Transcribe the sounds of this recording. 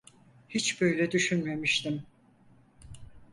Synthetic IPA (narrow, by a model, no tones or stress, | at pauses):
hit͡ʃbø̞jlʲɛd̪yʃynme̞miʃt̪ʰim